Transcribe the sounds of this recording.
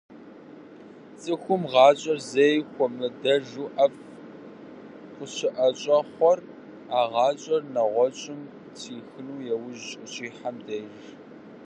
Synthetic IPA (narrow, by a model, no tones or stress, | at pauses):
t͡sʼɨxʷʊmʁɑːɕʼɐrzɐjxʷɔmɨdɐʒuːʔɐf | χʷʊʃɪʔɐɕʼɐχʷɔr | aːʁɑːɕʼɐrnɐʁʷɔt͡ʃʼɪm | tʰiːxɨnuːjɛwʊʒʼʊt͡ʃʼiːħamdɐjʒ